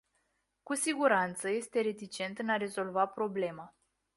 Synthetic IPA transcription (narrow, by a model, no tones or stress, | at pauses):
kusiɡuɾant̪səje̞st̪e̞ɾe̞t̪it͡ʃe̞nt̪ɨnaɾe̞zo̞lvapɾo̞ble̞ma